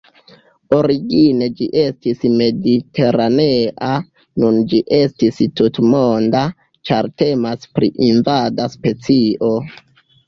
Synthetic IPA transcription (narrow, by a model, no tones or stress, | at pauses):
o̞ɾiɡine̞d͡ʒiʔe̞stisme̞dite̞ɾaneʔa | nund͡ʒiʔe̞stistutmo̞nda | t͡ʃaɾte̞maspɾḭʔinvadaspe̞t͡siʔo̞